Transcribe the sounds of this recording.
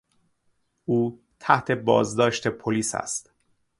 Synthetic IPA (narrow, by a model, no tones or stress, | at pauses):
ʔuː | t̪ʰæht̪ʰe̞bɒ̰ːzd̪ɒːʃt̪e̞pʰoliːsæ̰st̪